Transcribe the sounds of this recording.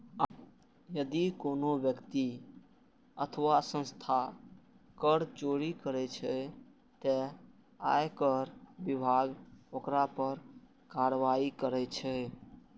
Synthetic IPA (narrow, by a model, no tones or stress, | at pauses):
jəd̪ikonobjəkt̪i | ət̪ʰəʋasə̃nst̪ʰa | kəɾt͡ʃoɾikəɾɛt͡ʃʰɛ | t̪ɛ | a̰jekəɾbibʱaɡokɾapəɾ | kaɾʋaikəɾɛt͡ʃʰɛ